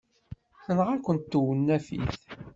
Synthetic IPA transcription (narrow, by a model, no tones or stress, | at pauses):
θənʁaɾkʷənt̪ːuwənːæfḭθ